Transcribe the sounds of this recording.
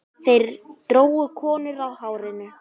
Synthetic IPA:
θejɾt̪ɾoːwʏkʰɔːnʏɾawhawɾɪnʏ

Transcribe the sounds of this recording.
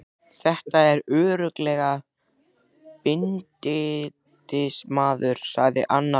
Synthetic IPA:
θɛht̪aɛɾʏːɾʏklɛɣa | pɪnt̪ɪ | t̪ɪsmaːðʏɾ̥sa̰ɣðɪ̰ʔanːa

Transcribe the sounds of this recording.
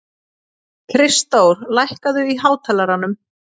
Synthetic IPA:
kʰɾɪst̪owɾlajhkaðʏiɦaːwt̪ʰɛlaɾanːʏm

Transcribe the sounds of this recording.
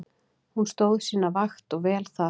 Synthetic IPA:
hunst̪oːwðsiːnːavaxt̪ɔɣvɛːlθa

